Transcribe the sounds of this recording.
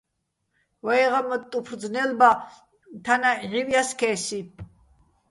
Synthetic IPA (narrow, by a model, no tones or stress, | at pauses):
vaɛʁamət̪ʼupʰɾd͡znɛlba | t̪ʰanaʕiwjaskʰɛːsi